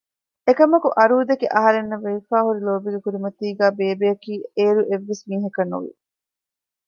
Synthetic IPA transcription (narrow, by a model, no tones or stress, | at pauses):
ekɐmɐkuʔɐɾuːd̪ekeʔɐɦɐɾenːɐʋeʋifaːhuɾiloːbiɡekuɾimɐt̪iːɡæːbeːbejɐkiːeːɾuʔeʋːesmiːɦɐkɐnːṵʋḭ